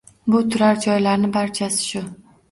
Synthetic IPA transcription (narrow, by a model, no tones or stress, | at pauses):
bʊt̪ʰʊɾaɾd͡ʒɒjlaɾnɪbaɾt͡ʃʰasɪ̥ʃʊ